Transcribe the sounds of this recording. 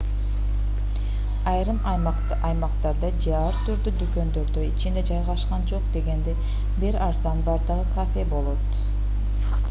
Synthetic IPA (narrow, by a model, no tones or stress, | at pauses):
ɑjɾɯmɑjmɑq | ɑjmɑqt̪ɑɾd̪ɑd͡ʒɑɾt̪ʰyɾd̪yd̪ykø̞nd̪øɾd̪øjit͡ʃʰind̪e̞d͡ʒɑjʁɑʃqɑnd͡ʒo̞qd̪e̞ɡe̞nd̪e | biɾɑɾzɑnbɑɾd̪ɯʁɯkʰafe̞bo̞lˠo̞t̪